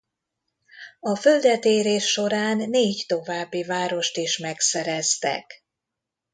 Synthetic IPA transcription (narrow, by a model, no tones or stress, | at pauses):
ɒføld̪ɛt̪eːɾeːʃːo̞ɾaːnːeːct̪o̞vaːbːivaːɾo̞ʃt̪iʃmɛksɛɾɛst̪ɛ̰k